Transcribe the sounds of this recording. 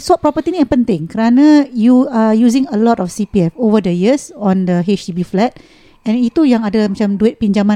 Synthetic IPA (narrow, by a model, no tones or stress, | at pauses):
sɔt̚pɾɔpət̪inĩjapənt̪ɪŋkəɾanãjuajuzɪ̃ŋəlɔtɔfsipiɛfovədəjisɔ̃ndəɦet͡ʃtibiflɛt̪̚ | ɛ̃nit̪ujaŋadəlmãt͡ʃamduɪt̪̚piɲd͡ʒamã